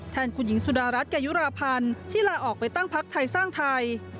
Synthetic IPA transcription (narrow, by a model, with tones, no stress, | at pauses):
t̪ʰɛː˧nkʰu˧nji˩˦ŋsu˨˩daː˧ɾa˦˥t̪̚kɛː˧˩ju˦˥ɾaː˧pʰa˧nt̪ʰiː˥˩laː˧ʔɔː˨˩k̚pa˧jt̪a˥˩ŋpʰa˦˥k̚t̪ʰa˧jsaː˥˩ŋt̪ʰa˧j